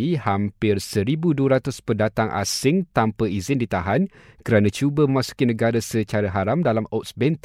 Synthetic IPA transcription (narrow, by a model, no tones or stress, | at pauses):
ihampɪrsəɾibuduəɾat̪ʊspəndat̪aŋʔa̰sɪŋt̪ampəizɪndit̪aɦan | kəɾanãt͡ʃubəmə̃mãsu̥kinə̃ɡaɾasət͡ʃaɾaɦaɾamdalamɔt̪̚sbɛnt̪